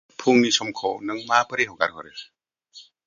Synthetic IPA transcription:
pʰuŋnisɔmkʰɔwnɯŋmapɯɾiɦɔɡa̰ɾɦɔɾe

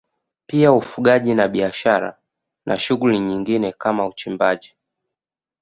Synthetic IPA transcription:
piaufuɠaʄinaɓiaʃaɾa̰ | nʔa̰ʃuɡuliɲiŋɡinɛkamaut͡ʃimbaʄi

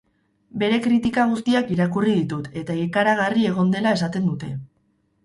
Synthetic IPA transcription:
be̞ɾe̞kɾit̪ikaɣ̞ust̪iakiɾakurið̞it̪ut̪e̞t̪aikaɾaɣ̞arie̞ɣ̞o̞nd̪e̞lae̞sat̪e̞nd̪ut̪e̞

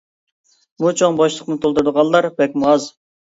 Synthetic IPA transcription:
mut͡ʃʰoŋbɑʃlˠəqnɨt̪ʰolˠd̪uɾd̪əʁɑnlˠɑɾbɛk̚ʲmuɑz

